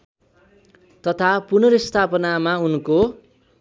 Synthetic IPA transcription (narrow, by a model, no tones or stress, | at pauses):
t̪ʌt̪ʰapunʌɾist̪ʰapʌnamaunko